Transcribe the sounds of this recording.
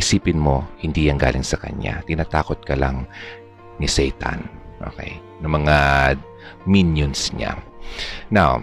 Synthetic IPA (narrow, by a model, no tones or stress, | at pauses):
ʔɪsiːpɪnmo̞hɪnd̪iːjɐŋɡa̰ːlɪŋsɐkɐ̰ɲa̰t̪ɪnaːt̪aːko̞t̪̚kɐlaŋ | nɪsɛjt̪ɐ̰nʔo̞̰ːkɛ̰j | nɐmɐŋa | minjonsɲa̰ | naw